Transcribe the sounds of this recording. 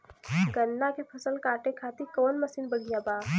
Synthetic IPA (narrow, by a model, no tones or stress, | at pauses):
ɡənːakepʰɐsəlkaːʈekʰaːt̪ikoːnməsiːnbəɽʱijabaː